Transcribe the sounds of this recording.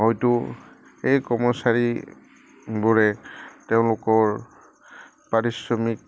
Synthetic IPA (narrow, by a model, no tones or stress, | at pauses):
ɦɔjtʊ | ejkɔmɔsaɹi | bʊɹɛteʊ̃lʊkɔɹ | paɹisɹɔmik̚